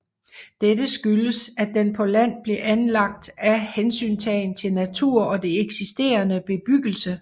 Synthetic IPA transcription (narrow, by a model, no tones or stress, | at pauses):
d̥ed̥əsɡ̥yləsæd̥enpʰɒ̽læn̰b̥le̝ʔænlɑ̈ɡ̥̚d̥æhensy̰ːnt͡sʰɛːɪn̩t͡sʰe̝lnæt͡sʰuɐ̰ɒ̽d̥e̝eɡ̥sisd̥e̝̰ːɐnəb̥e̝b̥yɡ̥l̩sə